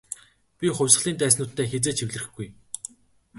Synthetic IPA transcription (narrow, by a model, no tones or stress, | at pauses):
pʲiχʊ̟wʲsə̆ɮiːnt̪æːs̬nʊːt̪ːeːxet͡seːt͡ɕʰiwʲɮɘ̆rɘ̆xɡuj